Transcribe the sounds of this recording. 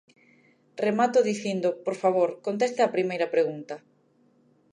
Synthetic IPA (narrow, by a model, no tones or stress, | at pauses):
remat̪oðiθind̪opoɾfaβ̞oɾkont̪̬est̪ɪapɾimejɾɐpɾeɣunt̪ɐ